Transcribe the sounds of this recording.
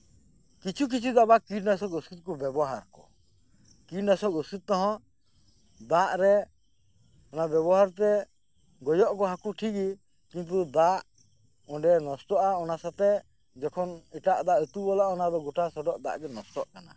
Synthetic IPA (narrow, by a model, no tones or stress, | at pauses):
kit͡ʃʰuk̬it͡ʃʰud̪abakiɖnasɔk̚əsut̪̚kɔbɛbɔɦaɾkɔ̰ | kiʈnasɔkəsit̪̚t̪ɔɦɔ̃ | d̪aʔɾɛ | ɔnabjɛbɔɦaɾt̪ɛ | ɡɔjɔʔkɔɦakuʈʰiki | kint̪̬ud̪aʔ | ɔ̃ɖɛnɔstɔʔaɔnasat̪ɛ | d͡ʒɛkʰɔnɛʈaʔd̪aʔət̪ubɔlaʔɔnad̪ɔɡɔʈasɔɖɔʔd̪a̰ʔɡɛnɔst̪ɔʔkana̰